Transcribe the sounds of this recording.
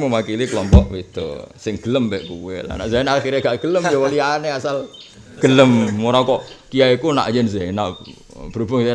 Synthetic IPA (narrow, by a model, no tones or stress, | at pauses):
məmakilikəlɔmpɔʔbit̪ṵsɪŋɡ̥ələmbɛʔkṵwḛla̰na̰ʔzanaxiɾɲaɡaʔɡ̥ələmd͡ʒɔwalianeasal | ɡ̥ələmːuɾakɔʔkijaikuna̰ʔjɛnzana | b̥əɾubaŋ